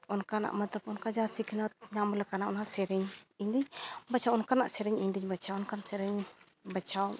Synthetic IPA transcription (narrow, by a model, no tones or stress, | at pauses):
ɔnkana̰ʔmət̪əpɔnkad͡ʒasikʰnɔt̪̚ɲamlɛkanaʔɔnkasɛɾɛɲiɲd̪iɲbət͡ʃʰawɔnkana̰ʔsɛɾɛɲiɲd̪iɲbət͡ʃʰawɔnkanaʔsɛɾɛɲ | bət͡ʃʰaw